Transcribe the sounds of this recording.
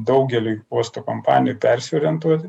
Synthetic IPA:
d̪ɐʊɡʲɛlʲɪuɔst̪oːkompɑ̰ːnʲɪjupʲɛɾʲsʲɪoːɾʲijɛnt̪uɔt̪ʲɪ

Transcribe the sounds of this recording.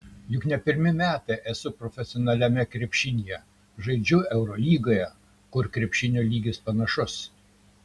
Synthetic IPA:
jʊknʲɛpʲɪɾʲmʲɪmʲæːt̪ɐɪʔɛsʊpɾɔfʲɛsʲɪɔnɐlʲɛmʲɛkɾʲɛpʲʃʲɪnʲijɛ | ʒɐɪd͡ʒʲʊɛʊɾɔlʲiːɡoːjɛ | kʊɾkɾʲɛpʲʃʲɪnʲoːlʲiːɡʲɪspɐnɐʃʊs

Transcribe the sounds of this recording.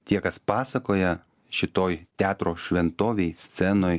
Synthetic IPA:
t̪ʲiɛkɐspɑːsɐkoːjɛ | ʃʲɪt̪oːjt̪ʲæːt̪ɾoːʃʲʋʲɛnt̪oːʋʲɛɪsʲt̪sʲɛnoːj

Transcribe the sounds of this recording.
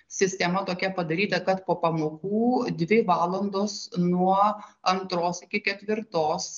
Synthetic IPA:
sʲɪsʲt̪ʲɛmɐt̪oːkʲɛpɐd̪ɐɾʲiːt̪ɐkɐt̪poːpɐmoːkuːd̪ʲʋʲɪʋɑːlˠɐnd̪oːsnuɔɐnt̪ɾoːsɪkʲɪkʲɛt̪ʲʋʲɪɾt̪oːs

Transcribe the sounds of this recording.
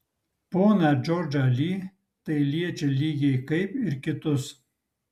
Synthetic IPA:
poːnæd͡ʒoːɾd͡ʒɐlʲiː | t̪ɐɪlʲiɛt͡ʃʲɛlʲiːɡʲɛɪkɐɪpɪɾkʲɪt̪ʊs

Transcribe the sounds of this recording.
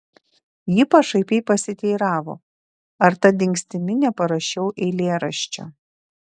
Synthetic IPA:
jiːpɐʃɐɪpʲɛɪpɐsʲɪt̪ʲɛɪɾɑːʋo̰ː | ɐɾt̪ɐd̪ʲɪŋʲksʲt̪ʲɪmʲɪnʲɛpɐɾɐʃʲɛʊʔɛɪlʲeːɾɐʃʲt͡ʃʲo̰

